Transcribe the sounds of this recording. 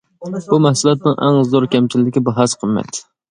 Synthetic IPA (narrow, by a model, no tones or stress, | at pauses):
b̥umɛhsulˠɛt̪̚nɪŋʔæ̰ŋzzɔɾkʲɛmt͡ʃʰilɪːɪkʲibɑɦɑsqʰəmːɛ̰t̪